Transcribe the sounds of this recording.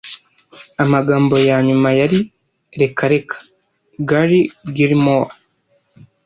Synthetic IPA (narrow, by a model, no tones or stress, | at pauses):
amaɡaːmbo̞jaɲumajaɾi | ɾe̞kʰaɾe̞kʰḁ | ɡaɾiɡiɾimowa